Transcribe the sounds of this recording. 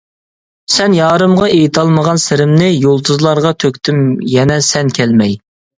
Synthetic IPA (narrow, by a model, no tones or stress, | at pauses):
sɛnjɑːɾɨmʁɑʔejt̪ʰɑlˠməʁɑnsɪɾɪmnɪjolˠt̪ʰuzlˠɑɾʁɑt̪ʰøkʲt̪ʰymjɛnɛsɛnkʲʰɛlmɛj